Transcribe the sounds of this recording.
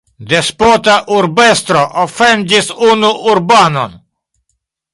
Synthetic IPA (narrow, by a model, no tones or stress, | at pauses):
d̪espot̪aʔuɾbest̪ɾoʔofɛnd͡ʒisunuʔuɾbaːno̰n